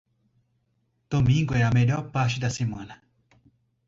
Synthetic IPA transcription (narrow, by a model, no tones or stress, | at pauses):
d̪̥omĩŋɡoɛameʎoɾpaɾt͡ʃid̪asemɐ̃nɐ